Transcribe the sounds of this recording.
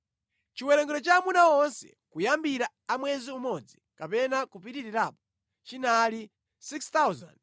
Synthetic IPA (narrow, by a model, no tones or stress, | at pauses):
t͡ʃiwɛɾɛŋɡɛɾɔt͡ʃaːmunaɔnsɛ̰kujambiɾa | amwɛziumɔd͡zikapɛnakupitiɾiɾaːpɔ | t͡ʃinali | sikst̪awza̰nd